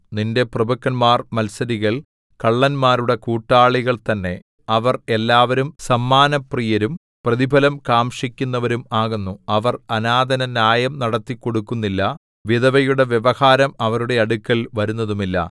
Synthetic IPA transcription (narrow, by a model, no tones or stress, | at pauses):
ninde̞prɐbɐkːɐnmaːrmɐlsɐɾiɣɐɭ | kɐɭːɐnmaːɾuɽe̞kuːʈːaːɭiɣɐɭt̪ɐnːe̞ | ɐʋɐre̞lːaːʋɐɾumsɐmːaːnɐprijɐɾum | prɐðibʱɐlɐmkaːmʂikʲːunːɐʋɐɾumaːɣunːuɐʋɐrɐnaːd̪ʱɐnɐnjaːjɐmnɐɽɐt̪ːikːo̞ɽukːunːilːɐ | ʋiðɐʋɐjuɽe̞ʋjeʋɐhaːɾɐmɐʋɐɾuɽe̞ɐɽukʲːɐɭʋɐɾunːɐðumilːɐ̰